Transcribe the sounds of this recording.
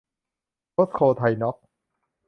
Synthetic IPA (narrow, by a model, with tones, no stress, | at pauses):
o˦˥skʰoː˧t̪ʰa˧jnɔ˦˥k̚